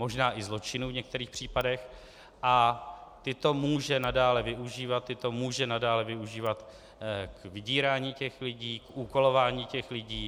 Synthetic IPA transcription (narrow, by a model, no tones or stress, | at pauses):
mo̞ʒnaːʔɪzlo̞t͡ʃɪnuvɲɛk̚t̪ɛɾiːxpr̝̥iːpadɛx | ʔat̪ɪt̪o̞muːʒɛnadaːlɛvɪuʒiːvat̪ːɪt̪o̞muːʒɛnadaːlɛvɪuʒiːvat̪ | kvɪɟiːɾaːɲiːcɛxlɪɟiːkʔuːko̞lo̞vaːɲiːcɛxlɪɟiː